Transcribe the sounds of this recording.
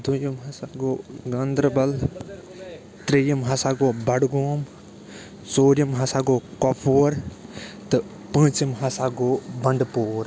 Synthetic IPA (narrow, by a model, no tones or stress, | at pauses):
d̪ujimɦɐsaɡoːɡɐnd̪ɾbɐl | t̪ɾijimɦɐsaːɡoːbɐɽɡoːm | soːɾimɦɐsaːɡoːkopʰoːɾt̪ɨ | pə̃ːt͡ʃimɦɐsaɡoːbɐɳɖpoːɾ